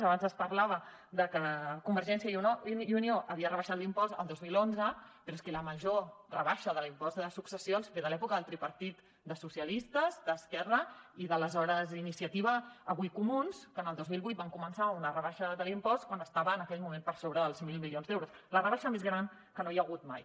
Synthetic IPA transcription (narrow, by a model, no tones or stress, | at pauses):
əβanzəspəɾlaβə | d̪əkəkumbəɾʒɛnsiəiuoiunioʔəβiərəβəʃat̪limpɔst̪ə̰lˠd̪ozmilonzəpəɾɔeskeləməʒorə̰βaʃəðəlimpɔzd̪əsuksəsionsfeðəlɛpukəðəlˠt̪ɾipəɾt̪it̪ | d̪əsusiəlist̪əzd̪əskɛrəiðələzɔɾəzinisiət̪iβ̞əːβujkumunskənəlˠd̪ozmilˠβujt̪̚baŋkumənsaunərəβaʃəðəlimpɔst̪̚kwanəst̪aβəːnəkɛʎmumempəɾsoβɾəðəlˠzmilˠmilionzd̪ewɾuslərəβaʃəmezɣɾan | kənojəɣut̪ma̰j